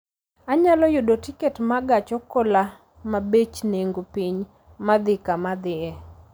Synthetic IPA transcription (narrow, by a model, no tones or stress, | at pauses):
aɲalɔjʊdotiketmaɡat͡ʃɔkɔla | mabet͡ʃneŋɡopiɲ | mad̪ɪkamad̪ɪɛ